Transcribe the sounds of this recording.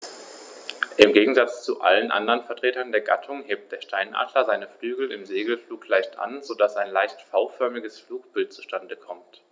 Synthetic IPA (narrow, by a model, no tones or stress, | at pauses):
ʔɪmɡeːɡŋ̩zat͡st͡suʔa̰lənʔa̰ndəʁənfɛɐtʁ̥eːtɐndeːɐɡa̰tʰʊŋɦeːp̚t̚d̥eːɐʃtʰaɪnʔa̰ːdlɐzaɪnəflyːɡl̩ɪmzeːɡl̩fluːklaɪçtʔa̰nzodasaɪnlaɪçtfaʊfœɐmɪɡəsfluːk̚b̥ɪlt̚t͡su̥ʃtandəkʰɔmt